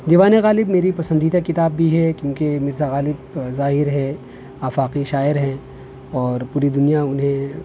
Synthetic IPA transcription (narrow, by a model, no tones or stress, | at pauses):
d̪iːʋaːneɣaːlɪbmeːɾipɐsə̃nd̪iːd̪akɪt̪aːbbʱiɦɛkjũːkemɪɾzaɣaːlɪbzaːɦɪɾɦɛ | aːfaːqiʃaːɪɾɦɛ̃ | ɔːɾpuːɾid̪ʊnijaʊnɦẽ